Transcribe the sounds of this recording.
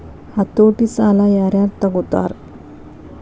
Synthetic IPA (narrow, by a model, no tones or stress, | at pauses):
hat̪oʈisalajaɾjaɾt̪aɡot̪a̰ɾ